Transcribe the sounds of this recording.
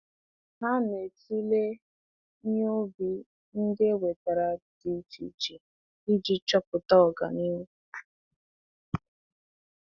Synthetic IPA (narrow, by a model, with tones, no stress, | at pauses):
ɦa˦ne˨ti˦le˦ | ɲ˦o˦bi˨ | n̩˦de˦we˨ta˨ɾa˨ti˨t͡ʃḭ˨t͡ʃi˨ | i˦d͡ʒi˦t͡ʃɔ˦pʊ˨ta˦ɔ˨ɡa̰˨ni˦u˦